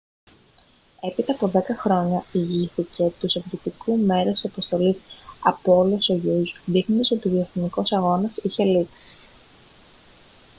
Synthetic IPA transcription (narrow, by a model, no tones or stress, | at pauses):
e̞pit̪ɐːpo̞ðe̞kɐxɾo̞ɲɐiʝiθice̞t̪usevɾit̪ikume̞ɾest̪isɐpost̪o̞lisɐpoolosoʝuzðixnond̪so̞t̪ioðioθiniko̞sɐɣo̞nɐsiçe̞liksi̥